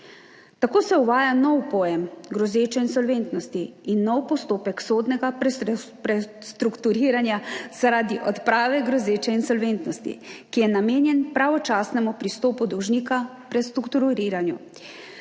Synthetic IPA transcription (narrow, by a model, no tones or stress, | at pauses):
t̪akoːsɛuʋaːjanɔwpɔjɛmɡɾɔzeːt͡ʃɛinsɔlʋeːnt̪nɔst̪iːnːɔwpɔst̪oːpɛksoːd̪nɛɡapɾɛst̪ɾukt̪uɾiːɾanjaz̥aɾaːd̪iʔɔt̪pɾaːʋɛɡɾɔzeːt͡ʃɛinsɔlʋent̪nɔst̪ḭkijɛnameːnjɛnpɾaʋɔt͡ʃaːsnɛmupɾist̪oːpud̪ɔwʒniːkapɾɛst̪ɾukt̪uɾɾiːɾanjṵ